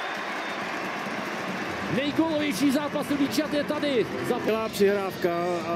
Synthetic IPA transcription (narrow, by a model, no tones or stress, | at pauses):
nɛjkolovjɛjʃiːzaːpasoviːt͡ʃat̪jɛt̪adɪ | zaːpɛlaːpr̥ɪɦɾaːfka